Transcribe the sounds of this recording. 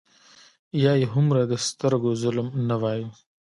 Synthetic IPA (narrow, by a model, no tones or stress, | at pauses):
jɑjeɦʊmɾad̪əst̪əɾɡozʊlmnawɑji